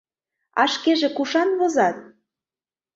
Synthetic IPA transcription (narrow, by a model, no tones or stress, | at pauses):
ɑ̰ʃkeʒĕkuʃɑnβozɑt̪̚